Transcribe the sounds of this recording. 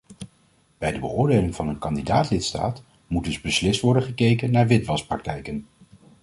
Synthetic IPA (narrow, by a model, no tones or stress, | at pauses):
b̥ɛjdəbə̰ʊːɹdejlɪŋvɑnənkɑndidaːtlɪtsta̰ːt | mud̚dɵzbəslɪstʋɔɹdənχəkejkənːaːɹʋɪtʋɑsprɑk̚tɛjkən